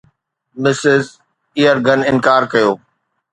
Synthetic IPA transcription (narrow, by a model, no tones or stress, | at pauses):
mɪsɪz | ijəɾɡʱɐnɪnkaːɾkɐjoː